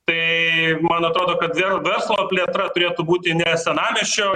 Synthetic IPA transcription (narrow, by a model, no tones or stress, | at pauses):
t̪ɐɪmɐnɐt̪ɾoːd̪oːkɐt̪ʋʲɛʋʲɛɾslˠoːpʲlʲiɛt̪ɾɐt̪ʊɾʲeːt̪ʊbuːt̪ʲɪnʲɛsʲɛnɑːmʲɛʃʲt͡ʃʲoː